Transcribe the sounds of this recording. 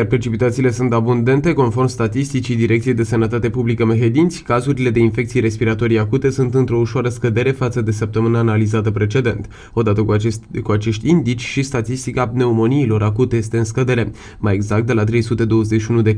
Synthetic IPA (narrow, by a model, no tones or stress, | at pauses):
jarpɾe̞t͡ʃipit̪at̪siːle̞sunt̪abund̪e̞nt̪e̞ko̞nfo̞rmst̪at̪ist̪it͡ʃid̪iɾe̞k̚t̪sied̪e̞sənət̪at̪e̞publikəme̞ɦe̞d̪int̪sʲkazuɾile̞d̪e̞infe̞k̚t̪sijeɾe̞spiɾat̪o̞ɾijakut̪e̞sunt̪ɨnt̪ɾo̞uʃoaɾəskəd̪e̞ɾe̞fat̪səd̪e̞səp̚t̪əmɨnaːnalizat̪əpɾe̞t͡ʃe̞d̪e̞nt̪ | o̞d̪at̪əkuat͡ʃe̞ʃt̪ʲind̪it͡ʃʲʃist̪at̪ist̪ikane̞umo̞niːlo̞ɾʔakut̪e̞jest̪eɨnskəd̪e̞ɾe̞ | majeɡzak̚t̪d̪e̞lat̪ɾe̞jsut̪e̞d̪o̞wəzeʃiunud̪e